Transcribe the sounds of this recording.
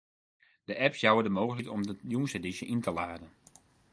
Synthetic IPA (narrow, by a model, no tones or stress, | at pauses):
d̥əʔɛpsjawədəmoːɣəl̩itɔmdəjunsədiʃjəʔintəlaːdən